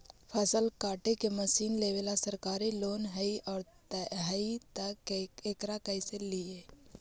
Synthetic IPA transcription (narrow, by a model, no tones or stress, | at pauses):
pʰɐsəlkaːʈekeməsiːnleːʋeːlasɐɾkaːɾiloːnɦəiʔɔːɾ | ɦəit̪ɐkekɾakɐɪselie